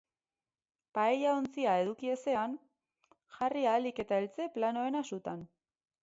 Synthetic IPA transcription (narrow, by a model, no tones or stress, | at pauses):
paejaont͡siae̞ðukie̞se̞an | ʝarialike̞t̪aelt͡se̞plano̞e̞nasut̪an